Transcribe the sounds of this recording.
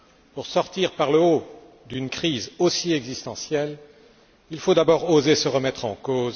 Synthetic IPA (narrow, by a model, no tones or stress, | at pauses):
puʁsɔʁt̪iʁpaʁləo | d̪ynkχizosiɛɡzist̪ɑ̃sjɛl | ilfod̪abɔʁozesəʁəmɛt̪χɑ̃koːz